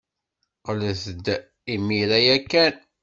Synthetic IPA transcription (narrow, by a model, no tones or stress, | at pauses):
qələθəd̪ | imiɾæjækːæn